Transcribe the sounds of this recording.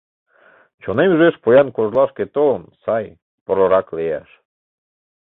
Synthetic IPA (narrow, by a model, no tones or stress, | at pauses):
t͡ɕonemyʒeʃpojɑnkoʒlˠɑʃket̪onsɑj | poɾoɾɑklejæ̰ʃ